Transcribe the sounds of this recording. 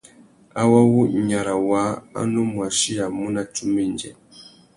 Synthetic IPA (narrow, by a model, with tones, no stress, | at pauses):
a˦wa˦wu˦˨ɲa˨ɾa˨wa˨˦a̰˦nu˦mwa˨ʃi˦ja˨mu˦na˦t͡ʃu˦mi˦˨nd͡ʒɛ̰˨